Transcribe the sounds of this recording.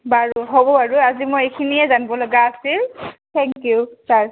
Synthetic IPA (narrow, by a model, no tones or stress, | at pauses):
baɹuɦobɔaɹuazimɔjejkʰinijɛzanibɔlɔɡaːsiltʰɛŋkjusaɹ